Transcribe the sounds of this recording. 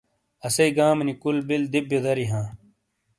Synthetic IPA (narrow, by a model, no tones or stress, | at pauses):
ɐsɐiɡaːmnikulbild̪ib̚jod̪ɐɾiɦãː